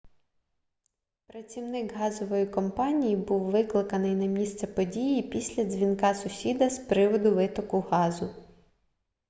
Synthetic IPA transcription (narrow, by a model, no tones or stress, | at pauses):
pɾɐt͡sʲiwnɪkɦɑzɔʋɔjikɔmpɑnʲijibuwʋɪklˠɪkɐnɪjnɐmʲist̪sɛpɔdʲijipʲisʲlʲɐzʲʋʲinkɑsʊsʲid̪ɐspɾɪʋɔd̪ʊʋɪt̪ɔkʊɦɑzʊ